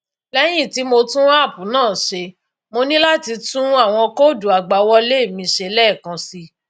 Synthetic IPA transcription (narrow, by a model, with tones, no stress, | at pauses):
lɛ˦j̃ĩ˦˨ti˨˦mo˧tũ˦a˦˨pũ˨˦nãː˦˨ʃe˧ | mo˧nĩ˦la˦ti˧tũ˦a˦˨w̃ɔ̃˧ko˦˨du˨a˨ɡ͡ba˨˦wɔ˦le˦˨mĩ˧ʃe˧lɛ˦˨kã˧si˧